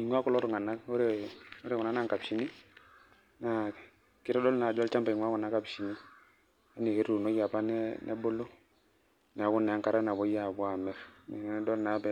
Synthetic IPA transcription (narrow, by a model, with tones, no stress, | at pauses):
i˨ŋwa˦kɔ˦lɔ˦ɾu˦˨ŋa˨na˦o˦ɾe˨o˦ɾe˨kɔ˨na˦na˦ŋka˨bʃi˦ni˦ | na˨ | kɪ˦ɾɔ˦dɔ˦lna˨d͡ʒɔ˦lt͡ʃa˦mba˨i˨ŋwa˦kɔ˨na˨˦ka˨bʃi˨ni˦ | a˦ne˨ke˦ɾu˨nɔ˦ja˨pa˦nɛnʔɛ̰˦bo˦lo˦ | nɛ˨a˨ku˦nːɛ˨a˦ŋka˨ɾa˦na˨bɔ˦ja˦˨bwa˨mɛ˦fnɛ̰˨n˦dɔ˦lna˨˦bɛ˦